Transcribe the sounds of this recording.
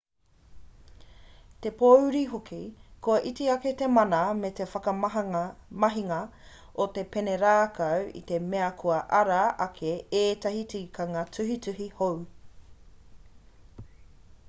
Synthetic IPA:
t̪e̞powɾiɦokʰikʰoɐʔitiɐket̪emɐnɐmet̪e̞fɐkɐ | mɐɦiŋɐ | ot̪e̞peneɾaːkɐwḭt̪e̞meɐkʰoɐʔɐɾaʔɐkʰeeːt̪ɐhitikɐŋɐtʰʉɦitʉɦihow

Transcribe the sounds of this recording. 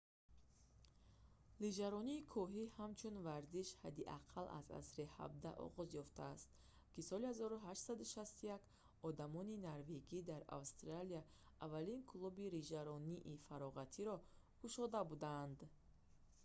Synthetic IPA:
lid͡ʒaɾɔniːkʰɔɦihamt͡ʃʰunvaɾziʃhad̪iʔaqʰalʔa̰za̰sɾiha̰b̚d̪aʔɔ̰ʁɔzjɔft̪ʰaːst̪ | kisɔlihazɔɾuɦaʃt̪sad̪uʃast̪ujak | ɔd̪amɔninaɾveɡid̪aɾa̰vst̪ɾalia | avalinkʰlubiɾid͡ʒaɾɔniʔifaɾɔʁat̪ʰiɾɔ | kʰuʃɔd̪abud̪and̪

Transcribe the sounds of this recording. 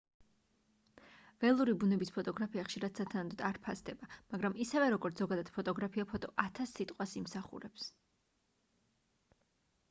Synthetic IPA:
vɛlˠuɾibunɛbispʰɔt̪ʼɔɡɾapʰiaχʃiɾad̪̥sat̪ʰanad̪ɔd̪aɾpʰasd̪ɛbamaɡɾamisɛvɛɾɔɡɔɾt̪sʰzɔɡad̪ad̪̥pʰɔt̪ʼɔɡɾapʰiapʰɔt̪ʼɔʔat̪ʰasːit̪ʼqʼwasimsaχṵɾɛps

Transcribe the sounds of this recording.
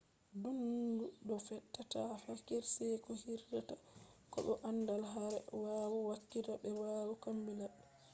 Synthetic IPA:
dunduɗɔfɛtːatafakiɾsɛjkɔhiɾdatakɔ̰ɓɛʔandalɦaɾɛwawɔwakːitaɓɛwawɔkambilaɗ

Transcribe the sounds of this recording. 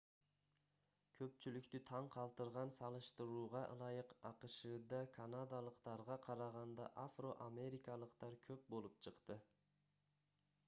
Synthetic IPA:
kʲʰɵp̚t͡ʃylykʲt̪yt̪ʰɑɴqʰɑlˠt̪ɯɾʁɑnsɑlˠɯʃt̪ɯɾuːʁɑʔlˠɑjɯqɑqɯʃɯd̪ɑkʰanad̪alˠəqt̪ɑɾʁɑqʰɑɾɑʁɑnd̪ɑ̰ʔafro̞ʔame̞ɾʲikɑlˠəqt̪ɑɾkʲʰøp̚bo̞lˠup̚t͡ʃʰɯqt̪ɯ

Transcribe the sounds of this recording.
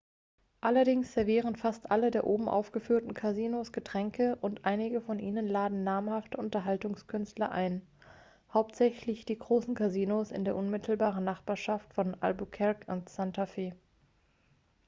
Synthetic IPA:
ʔalɐdɪŋsz̥ɛɐviːʁ̞ənfastʔalədeːɐʔoːbm̩ʔa̰ʊfɡ̥əfyːɐtn̩kʰaziːnosɡ̥ətʁ̥ɛŋkəʔʊntʔaɪnɪɡəfɔnʔiːnənlaːdn̩naːɐmhaftəʊntɐɦaltʊŋskʰʏnstlɐʔa̰ɪn | haʊp̚tz̥ɛçlɪçd̥iːɡʁoːsn̩kʰaziːnosɪ̰ndeːɐʔʊnmɪtʰl̩baːʁ̞ənnaχb̥aːɐʃaftfɔnʔa̰lbukʰɛʁkʊntsantʰafeː

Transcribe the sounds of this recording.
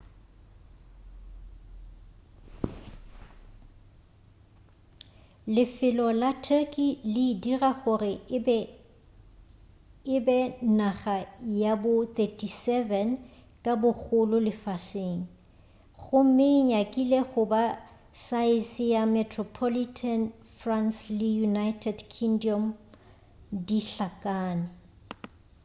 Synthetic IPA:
lɪfɪlɔlatʰɛkʼilɪidiraɣʊrɪ | ɪbɛnaχajabʊt̪ʰʼətʰisɛvɛn | kʼabʊɣʊlʊlɪfaseŋ̩ | ɣʊm̩mɪːɲakʼilɛɣʊba | saɪsɪjamɛtʰrɔpʰɔlitʰan | franslɪjunajtʰɛdkʰiŋdiɔm | diɬakʼaːnɪ

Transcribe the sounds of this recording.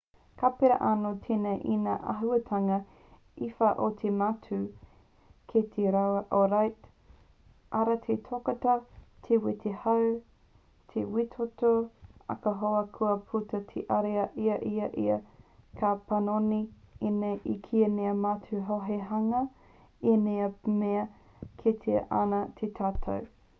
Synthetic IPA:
kapeɾɐ̰ʔanotʰenɐʔinaːʔɐ̰ɦuɐtʰɐŋɐ | ifɐʔotʰematʉ | kʰet̪ʰeɾawɐʔoɾajt | ʔaɾɐtʰetʰokɐtɐtʰewit̪ʰehɐw | tʰḛwitʰotoɐ̰kɐɦoɐkʰuɐpʰutɐtʰḛʔɐɾeɐʔiɐʔiɐʔḭɐkʰapɐnoniineʔikʰiɐneɐmatuɦoɦeɦɐŋɐ | eneɐmeɐ | kʰet̪ʰeʔa̰nɐt̪ʰetʰaːtʰɐ̰w

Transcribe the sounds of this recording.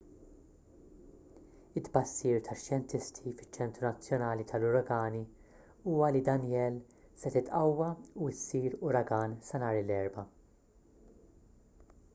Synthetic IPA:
ɪt̪bɐsːiːɾt̪ʰɐʃjɛnt̪ɪst̪ʰifɪ̥t͡ʃːɛnt̪ɾunɐt͡sːjɔnɐːlit̪ʰɐlʊɾɐɡɐːni | uːwɐlid̪ɐnjɛːl | sɛt̪ɪt̪ʔɐwːɐuɪsːiːɾʊɾɐɡɐːnsɐnɐːɾɪlɛɾbɐ

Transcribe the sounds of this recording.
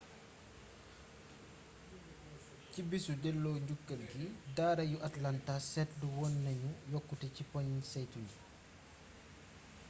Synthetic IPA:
cibisudɛlːɔːɲɟukːɐlɡidaːɾɐjuʔatlantasɛtduwɔnːɐɲujɔkːutɛcipɔɲisɛjtuju

